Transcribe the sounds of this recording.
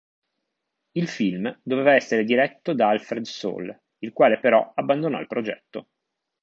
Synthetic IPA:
ilfilmd̪ovevaɛsːeɾed̪iɾɛt̪ːod̪aalfɾed̪so̰ːl | ilkwaːlepeɾɔabːand̪onɔ̰ilpɾod͡ʒɛ̰t̪ːo

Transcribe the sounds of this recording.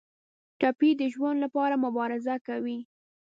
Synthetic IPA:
ʈapid̪əʒwand̪lapɑɾamʊbɑɾɪzakawi

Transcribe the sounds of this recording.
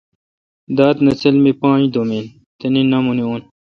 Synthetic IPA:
d̪aːt̪nɐsɐlmipãːĩd̪omeːn | t̪ɐninɐmunioːn

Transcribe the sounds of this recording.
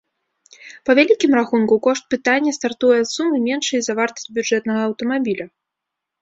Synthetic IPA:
pɐvʲalʲikʲimraxunkukɔʂt̪̚pɨt̪anʲːɐst̪art̪ujɛt̪sumɨmʲɛnʂɨjizavart̪ɐ̥sʲt͡sʲbʲud͡ʐɛt̪nɐɣɐːwt̪ɐmabʲilʲu

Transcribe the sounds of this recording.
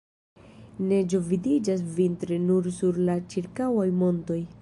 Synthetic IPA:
ne̞d͡ʒo̞vidid͡ʒas̬vintɾenuɾsuɾlat͡ʃiɾkawajmo̞nto̞j

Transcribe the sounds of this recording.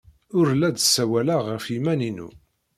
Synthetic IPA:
ʊɾlæd̪sːæwælaʁəfjimæninṵ

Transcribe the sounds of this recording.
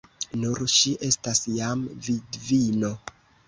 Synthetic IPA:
nuɾʃiʔe̞stasjamvidvino̞

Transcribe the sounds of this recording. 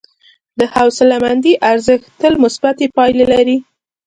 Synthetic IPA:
d̪əhawsɪlamand̪iʔaɾzəxt̪əlmʊsbat̪epɑjlelaɾi

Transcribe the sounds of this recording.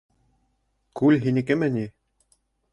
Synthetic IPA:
kʉlʲɦinikɘmɘ̆nʲi

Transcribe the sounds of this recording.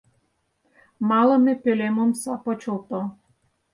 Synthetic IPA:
mɑlɤ̆mʲepølemomsɑpot͡ɕolt̪o

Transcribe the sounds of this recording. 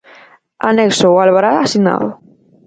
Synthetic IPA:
aneksowalβaɾaːsina̰ðʊ

